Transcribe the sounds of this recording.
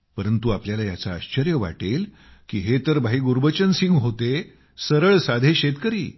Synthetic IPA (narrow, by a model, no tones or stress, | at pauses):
pəɾənt̪uapljalajat͡saːɕt͡ɕəɾjəʋa̰ʈel | kiːɦet̪əɾbʱaɦiːɡuɾbət͡ɕənsiŋɡɦot̪e | səɾəɭsad̪ʱeɕet̪kəɾiː